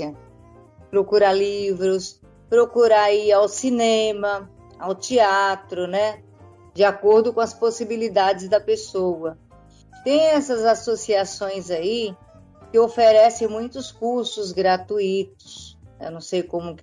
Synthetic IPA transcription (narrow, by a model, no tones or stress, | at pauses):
ɐ | pɾokuɾalivɾʊs | pɾokuɾaiawsinẽmɐ | awt͡ʃiat̪ɾʊnɛ | d͡ʒɪakoɾd̪ʊkõɐsposibilid̪ad͡ʒɪzd̪ɐpesowɐ | t̪ẽj̃ɛsɐzasosiasõj̃zai | kɪofeɾɛsẽj̃mũj̃t̪ʊskuɾsʊzɡɾat̪uit̪ʊ̥sḛwnɐ̃w̃sejkõmʊk